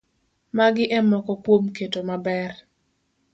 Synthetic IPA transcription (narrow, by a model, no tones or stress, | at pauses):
maɡɪʔɛmɔkɔkwomketomabɛr